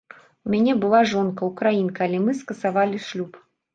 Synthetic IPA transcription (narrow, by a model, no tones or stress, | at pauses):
umʲanʲɛbɨlˠaʐɔnkɐwkɾajinkalʲɛmɨskɐsavalʲiʂlʲup